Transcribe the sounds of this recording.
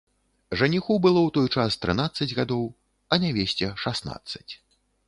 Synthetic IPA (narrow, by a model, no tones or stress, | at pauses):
ʐanʲixɔbɨlˠɔwt̪ɔjt͡ʂast̪ɾɨn̪at̪sːɐd͡zʲɣad̪ɔw | ɐnʲavʲesʲt͡sʲɛʂasna̰t̪sːɐ̥t͡sʲ